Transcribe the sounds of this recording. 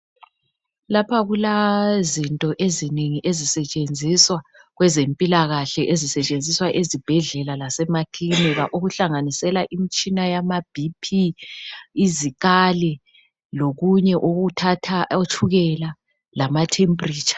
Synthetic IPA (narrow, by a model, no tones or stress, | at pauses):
lapʰaɣulazintʼɔʔezineŋiʔezisɛt͡ʃʼend͡zʱiswa | ɣwɛzempʼilaɣaɬɛʔezisɛt͡ʃʼend͡zʱiswaʔezib̥ʱɛɮɛlalasɛmakʰinɛβa̰ʔoɣuɬaŋanisɛlaʔimit͡ʃʼinajamab̥ʱipʰi | iziɣalɛ | loɣuɲɛʔoɣutʰatʰaot͡ʃʰuɣɛla | lamatʰempʼriːt͡ʃʼḁ